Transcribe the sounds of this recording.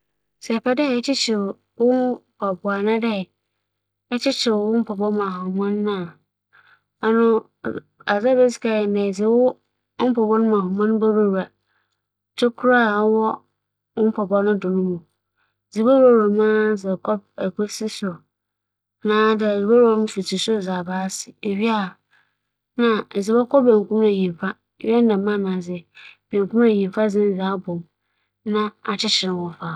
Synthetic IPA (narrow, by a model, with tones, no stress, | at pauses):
sɛ˨pʰa˦dɛ˦˨ɛ˦t͡ɕʰɪ˦t͡ɕʰɪ˨ | wʊ˦ba˨bʊ˨a˨nã˦dɛ˦˨ | ɛ˦t͡ɕɪ˦t͡ɕʰɪ˨wʊ˦m̩˦pʰɔ˨bɔ˦mã˨ɦʊ˨mã˦nː˦ã˦˨ | a˦nʊ̃˦ | a˨za˦be˦skʰa˨nɛ̃˨d͡zɪ˨wʊ˦ | m̩˦pʰɔ˨bɔ˦nʊ̃˦mã˨ɦɔ˨mã˦ñ˦ba˦ɾa˦wa˨ | tʰo˦kʰʊ˦ɾa˦˨˦wɔ˦ | ʊ˦m̩˦pʰɔ˨bɔ˦nʊ̃˦dʊ̃˨nʊ̃˦mũ˨ | zi˨ba˦wa˦˨ɾa˨mã˦d͡zɛ˨kʰɔ˦b̚ɛ˨kʰo˦si˦sʊ˨ | nãː˨˦dd͡zi˨ba˦wa˦nʊ̃˦fi˨tʰi˨sʊ˦˨za˨baː˦sɪ̥˨e˨ɥi˦a˨ | nã˨zi˨ba˦kʰɔ˦bẽ˨ŋ˨kũ˦me˨ɲĩ˨m˨fa˦˨˦ | ɥɛ˦dã˨mã˦˨nã˨d͡zɪ˨b̥ẽ˨ŋ˨kʰũ˦m˦e˨ɲĩ˨m˨fa˦d͡zɪ̃˦n˦zaː˨˦bɔ̃˨m | nã˦a˨t͡ɕʰɪ˦t͡ɕʰɪ˨nɪ̃˨wʊ̃˨˦faː˨